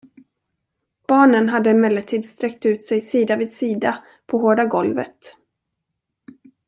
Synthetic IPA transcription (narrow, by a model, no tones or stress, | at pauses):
b̥ɑːɳənɦad̪ːəɪmɛlːət̪ʰiːd̪st̪ɾɛk̚t̪ʉ̟ːt̪sɛjsiːd̪avɪːd̪siːd̪a | pʰɔɦoːɖaɡɔlvə̰t̪